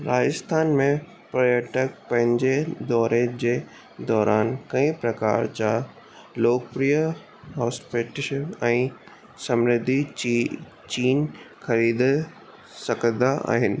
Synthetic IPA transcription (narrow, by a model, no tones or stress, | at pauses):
ɾaːd͡ʑɪst̪ʰaːnmẽ | pɾɐjəʈək̚pɐ̃ɦɪ̃ɲd͡ʑed̪ɔːɾed͡ʑeː | d̪ɔːɾʔaːnkɐ̃ĩpɾɐkaːɾt͡ɕa | loːkpɾiːjə | ɦɔːspeʈɪʃənɛ̃ː | sɐmɾɪd̪ʱi | t͡ɕiːnxɐɾiːd̪ | sɐɡʰəd̪aʔa̰ːɦɪnɪ̆